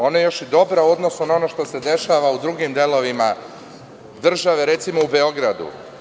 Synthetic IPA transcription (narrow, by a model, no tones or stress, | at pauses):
o̞najejo̞ʃjed̪o̞bɾauo̞d̪no̞sunao̞no̞ʃt̪o̞se̞d̪e̞ʃaʋaud̪ɾuɡimd̪e̞lo̞ʋima | d̪r̩ʒaʋe̞ɾe̞t̪simo̞ube̞o̞ɡɾad̪ṵ